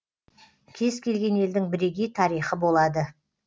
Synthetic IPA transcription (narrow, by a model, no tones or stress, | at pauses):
kʲʰe̞zkʲʰe̞lɡʲe̞ne̞ld̪ɪŋbɪɾe̞ɡʲejt̪ʰɑɾijχəbo̞lˠɑd̪ə